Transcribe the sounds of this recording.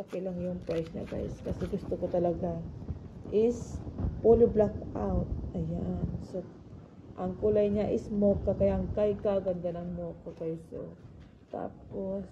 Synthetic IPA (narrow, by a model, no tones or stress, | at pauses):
pɐkɪlaŋjʊŋpɹajsɲɐ̰ɡa̰jskɐsɛɡʊst̪okot̪ɐlɐɡa | ʔɪspoloblakawt̪̚ʔɐjanso | ʔɐŋkʊlajɲaʔɪsmokːɐkɐjaʔŋkajkaɡɐnd̪anɐŋmokːɐkajso̰ | t̪a̰ːpos